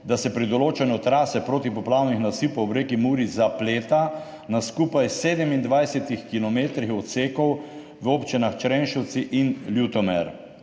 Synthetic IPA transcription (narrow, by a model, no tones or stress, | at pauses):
d̪asɛpɾid̪ɔloːt͡ʃɛnɛɔt̪ɾaːsɛpɾoːt̪ipɔplawnixnasiːpɔwbɾeːkimuːɾizapleːt̪a | naskuːpajseːd̪ɛmind̪ʋajsɛt̪ixkilɔmeːt̪ɾixɔt̪seːkɔw | ʋoːpt͡ʃinaxt͡ʃɾɛnʃɛwt̪siʔinljut̪ɔmɛɾ